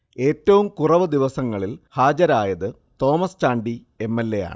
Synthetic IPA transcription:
e̞ːtːɐʋumkurɐʋɨd̪iʋɐsɐŋːɐɭilhaːd͡ʑɐɾaːjɐðɨ | t̪o̞ːmɐst͡ɕaːɳɖi | e̞mːelːe̞ja̰ːɳɨ

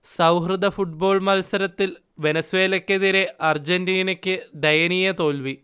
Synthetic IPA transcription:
sɐwɦrɨd̪ɐfuʈ̚bo̞ːɭmɐlsɐɾɐt̪ːil | ʋe̞nɐsʋe̞ːlɐkʲːeðiɾe̞ɐrd͡ʑendiːnɐkʲːɨd̪ɐjɐnijɐt̪o̞ːlʋi

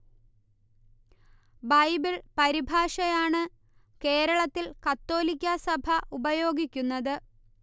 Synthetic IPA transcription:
bɐjbiɭpɐɾibʱaːʂɐjaːɳɨ | ke̞ːɾɐɭɐt̪ːilkɐt̪ːo̞ːlikʲːɐsɐbʱɐʔubɐjo̞ːɡikʲːunːɐðɨ

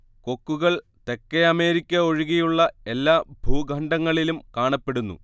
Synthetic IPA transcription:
ko̞kːuɣɐɭ | t̪e̞kːeɐme̞ːɾikʲːɐoɻiɣijuɭːɐe̞lːaːbʱuːɡʱɐɳɖɐŋːɐɭilumkaːɳɐpːe̞ɽunːṵ

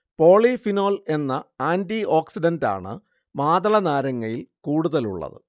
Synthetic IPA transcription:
po̞ːɭifino̞ːle̞nːɐaːndio̞ːksidɐnda̰ːɳɨ̰ | maːðɐɭɐnaːɾɐŋːɐɭilkuːɽuðɐlṵɭːɐ̰ðɨ̰

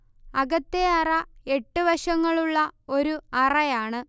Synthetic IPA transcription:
ɐɡɐt̪ːeɐrɐe̞ʈːɨʋɐʂɐŋːɐɭuɭːɐo̞ɾuɐrɐjaːɳɨ

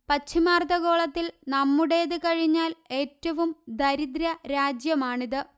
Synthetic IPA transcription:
pɐt͡ɕʰːimaːrt̪ɐɣo̞ːɭɐt̪ːilnɐmːuɽe̞jðɨkɐɻiɲːaːle̞ːtːɐʋumd̪ɐɾid̪ɾɐɾaːd͡ʑjɐmaːɳiðɨ

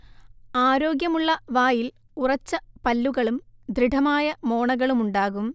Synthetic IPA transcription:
aːɾo̞ːɡjɐmuɭːɐʋaːjil | urɐt͡ɕːɐpɐlːuɣɐɭumd̪ɾiɖʱɐmaːjɐmo̞ːɳɐɣɐɭumuɳɖaːɣum

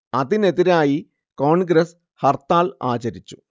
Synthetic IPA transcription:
ɐðine̞ðiɾaːji | koːɳɡɾɐs | hɐrt̪aːla̰ːt͡ɕɐɾit͡ɕːu̥

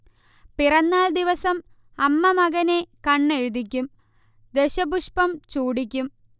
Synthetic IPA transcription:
pirɐnːaːld̪iʋɐsɐm | ɐmːɐmɐɣɐnekɐɳːe̞ɻud̪ikʲːum | d̪e̞ɕɐbuʂpɐmt͡ɕuːɽikʲːum

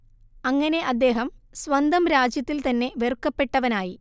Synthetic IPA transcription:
ɐŋːɐne̞ʔɐd̪ːe̞ːɦɐmsʋɐnd̪ɐmɾaːd͡ʑjɐt̪ːilt̪ɐnːe̞ʋerkːɐpːe̞ʈːɐʋɐnaːji

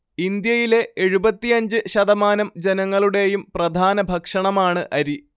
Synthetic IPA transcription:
ind̪jɐjile̞ʔeɻubɐt̪ːiɐɲd͡ʑɨɕɐðɐmaːnɐmd͡ʑenɐŋːɐɭuɽe̞jumprɐd̪ʱaːnɐbʱɐkʂɐɳɐmaːɳɨʔɐɾi

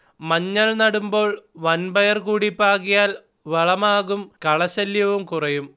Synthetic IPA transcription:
mɐɲːɐɭnɐɽumbo̞ːɭʋɐnbɐjɐrkuːɽipːaːɣijaːl | ʋeɭɐmaːɣumkɐɭɐɕɐljɐʋumkurɐjum

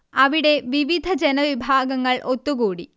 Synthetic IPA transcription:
ɐʋiɽe̞ʋiʋid̪ʱɐd͡ʑenɐʋibʱaːɡɐŋːɐɭʔot̪ːuɣuːɽḭ

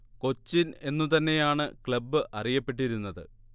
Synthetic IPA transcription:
ko̞t͡ɕːine̞nːut̪ɐnːe̞jaːɳɨkɭɐbːɨʔɐrijɐpːe̞ʈːiɾunːɐðɨ̰

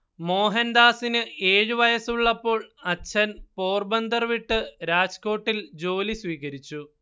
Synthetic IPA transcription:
mo̞ːɦɐnd̪aːsinɨeːɻɨʋɐjɐsuɭːɐpːo̞ːɭɐt͡ɕʰːɐnpo̞ːrbɐnd̪ɐrʋiʈːɨɾaːd͡ʑko̞ːʈːild͡ʑo̞ːlisʋiːɣɐɾit͡ɕːu

